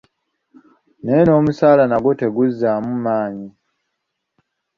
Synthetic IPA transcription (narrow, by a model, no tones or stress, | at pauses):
neno̞ːmusaːlanaɡoteɡuzːamumaːɲi